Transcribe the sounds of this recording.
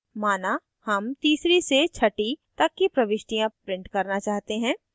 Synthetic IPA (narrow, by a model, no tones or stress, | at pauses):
maːna | hɐmt̪iːsɾiset͡ʃʰɐʈit̪ɐkːipɾɐʋɪʃʈijãpɾɪ̃ɳʈkɐɾnat͡ʃaːɦt̪eɦɛ̃ː